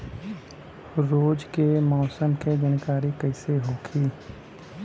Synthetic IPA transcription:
ɾoːd͡ʒkemɔːsəmked͡ʒənkaːɾikəɪseɦoːkʰiː

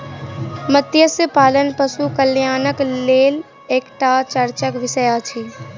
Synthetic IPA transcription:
mət̪jəsjəpaːlənpəsukəljaːnəkleːl | eːkʈat͡ʃəɾt͡ʃəkʋɪsəjat͡ʃʰiː

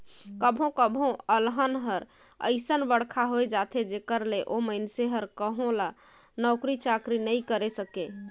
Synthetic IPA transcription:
kəbʱɦõkəbʱɦõəlɦənɦəɾ | ə̰ɪsənbəɽkʰaɦojd͡ʒat̪ʰed͡ʒekəɾleʔoməjnseɦəɾkəɦõlanɔʊkɾit͡ʃakɾinəjkəɾesəke

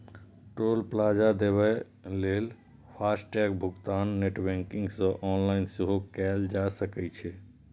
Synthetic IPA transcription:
ʈɾolplad͡ʒad̪ebɛ | lel | pʰasʈʈɛkbʱʊɡt̪aːnːeʈbɛ̃ŋkiŋɡsə̃ʔɔːnlaɪnseɦokɛld͡ʒasəkɛt͡ʃʰɛ

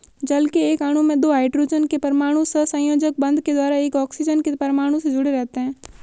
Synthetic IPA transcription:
d͡ʒəlkeːkaːɽ̤̃ũmẽd̪oːaːɪʈɾuːd͡ʒənkepɐɾmaːɽ̃ũsəsə̃joːd͡ʒək̚bə̃nd̪ʱked̪waːɾaeːkɔːksid͡ʒənkepɐɾmaːɽ̃ũsẽd͡ʒʊɽeɾɛɦt̪eɦɛ̃ː

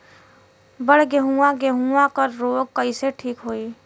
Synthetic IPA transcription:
bəɽ̤ɡeɦuaɡeɦuãkəɾɾoːɡ̚kəiseʈʰiːkɦoːi

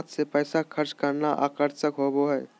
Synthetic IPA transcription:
t̪sepɛːsakʰəɾt͡ʃkəɾnaʔa̰ːkəɾsəkɦoboɦɛː

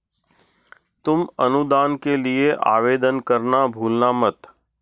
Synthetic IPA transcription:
t̪ʊmɐnud̪aːnkelieʔa̰ːʋeːd̪ənkɐɾnabʱuːlnamət̪

